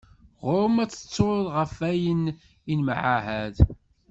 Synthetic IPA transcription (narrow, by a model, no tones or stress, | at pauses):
ʁʊɾmæt͡sːə̥t͡sːoɾðʁəfæjən | inmʕaɦæð